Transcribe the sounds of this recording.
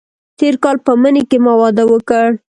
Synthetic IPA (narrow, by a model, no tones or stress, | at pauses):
t̪eɾkɑlpəmənekemawɑd̪awəkəɽ